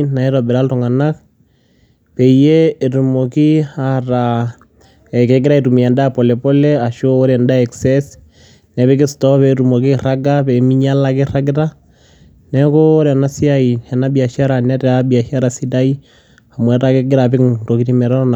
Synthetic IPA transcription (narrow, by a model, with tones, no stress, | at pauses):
na˨i˦ɾɔ˨bɛ˨ɾa˦ltɔ˨ŋa˨na˦k̚ | pɛ˨ijeː˨tu˨mo˨ki˦aɾa | ɛ˨kɛ˨ɡɪ˦ɾa˦i˨tu˨mi˨ɛ˨nda˦pɔ˨lɛ˨pɔ˦lɛa˨ʃoː˦ɾɛnda˦ɛksɛs | nɛbɛ˦kɪ˦stɔ˦pɛtu˨mo˨ki˦ra˦ɡa˦pɛ˨mi˦ɲala˦kɪ˦ra˦ɡɪ˦ɾa | nɛkoː˦ɾɛ˨na˦si˦a˦i˨hɛ˨na˦bia˨ʃa˦ɾanɛ˦tɛ˨abia˨ʃa˦ɾasi˦da˦i˦ | amwɛ˨ɾakɪ˦ɡɪ˦ɾapɪ˦kto˨ki˦ti˦mɛ˨ɾa˦ɾna˨